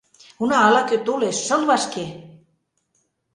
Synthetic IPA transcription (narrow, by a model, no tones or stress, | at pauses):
unɑɑlɑkøt̪uleʃːɤ̆lβɑʃke